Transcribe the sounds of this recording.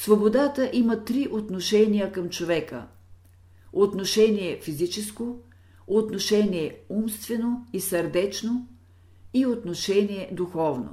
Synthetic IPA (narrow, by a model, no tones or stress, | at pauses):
svobod̪at̪əʔimət̪ɾiʔot̪noʃɛnijəkɐmt͡ʃovɛkə̰ | ot̪noʃɛniɛfizit͡ʃɛsko | ot̪noʃɛniɛumst̪vɛnoisəɾd̪ɛt͡ʃno | iot̪noʃɛniɛd̪uxɔvno̰